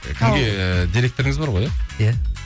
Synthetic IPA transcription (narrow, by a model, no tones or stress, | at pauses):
kʲʰɪmɡe̞d̪ʲiɾe̞k̚t̪o̞ɾɪŋɪzbɑɾʁo̞jaja